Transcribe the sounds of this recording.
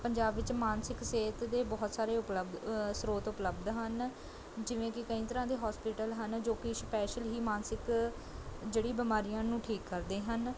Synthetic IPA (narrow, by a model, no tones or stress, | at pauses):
pəɲd͡ʒaːbʋɪt͡ʃmaːnsɪkseːt̪d̪eːbɔːt̪saːɾeːʊpləbd̪sɾoːt̪ʊpləbd̪ɦən | d͡ʒɪʋẽːkɪkəĩːt̪əɾãːd̪eːɦɔːspɪʈəlɦənd͡ʒoːkɪʃpɛːʃəlɦiːmaːnsɪk | d͡ʒeːɽiːbɪmaːɾiːãːnũːʈʰiːkːəɾd̪eːɦən